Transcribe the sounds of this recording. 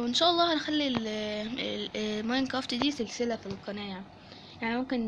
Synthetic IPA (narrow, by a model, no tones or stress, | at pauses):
wɪnʃæːʔɑlˤːɑːhænxælːil | mɑjnkɾɑft̪id̪iːsɪlsɪlæfilqɑnæːja | jaʕnimomkɪn